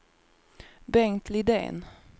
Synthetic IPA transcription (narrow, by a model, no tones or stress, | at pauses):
bɛŋt̪ʰlɪd̪ḛːn